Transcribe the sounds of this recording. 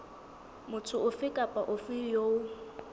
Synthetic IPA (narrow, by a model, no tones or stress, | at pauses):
mʊt͡sʰʊʊfɪkʼapʼaʔʊfɪjoːʊ